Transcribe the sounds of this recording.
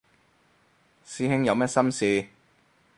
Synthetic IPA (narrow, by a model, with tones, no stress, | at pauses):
siː˧˥hɪ˥ŋjɐ˨˧wmɛː˥t̚sɐ˥msiː˧